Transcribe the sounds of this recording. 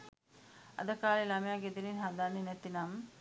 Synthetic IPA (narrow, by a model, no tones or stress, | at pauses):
ɐ̰d̪ɐkːaːlelamjaɡed̪ilinɦad̪aninet̪ːinam